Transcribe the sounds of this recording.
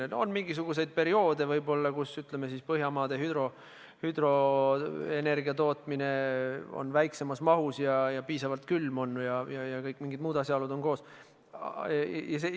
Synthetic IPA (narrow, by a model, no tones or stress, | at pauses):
o̞̰nmiŋɡ̥is̬uɡ̥us̬e̞jd̪̥̚pe̞ɾio̞ːd̪e̞vɤjbo̞lːɑkusyt̪le̞mesiːspɤɦjɑmɑːd̪̥eɦyd̪ɾo̞ | hyd̪̥ro̞ | ene̞rɡiɑt̪o̞ːt̪ˑmine̞o̰nvæjkse̞mɑsmɑɦusjɑjɑpiːsɑvɑlt̪̚kylːmo̞nːujɑjɑjɑkɤjkːˑmiŋɡid̪muːd̪ɑsʲjɑolud̪o̞nko̞ːs | jɑse